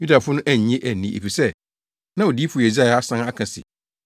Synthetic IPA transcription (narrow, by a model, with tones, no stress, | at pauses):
ju˦da˨fʊ˦nʊ̃˦ʔæ˨ɲ˨ɲẽ˦ʔæ˨nĩ˦˨ʔḛ˨fi˨sɛ˦ | nã˦ɔ˨di˦fʊ˨je˨za˦˨˦a˦sã˦a˦kʰã˨sɪ̰˨